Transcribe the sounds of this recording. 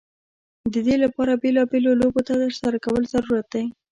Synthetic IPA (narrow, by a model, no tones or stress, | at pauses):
d̪əd̪elapɑɾabelɑbelolobot̪ad̪əʃsaɾakawəlzaɾuɾat̪̚d̪aj